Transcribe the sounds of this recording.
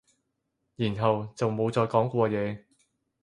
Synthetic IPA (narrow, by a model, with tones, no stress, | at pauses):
jiː˨˩nɦɐ˨wt͡sɐ˨wmo˨˧wt͡sɔː˧jkɔː˨˥ŋkʷɔː˧jɛː˨˧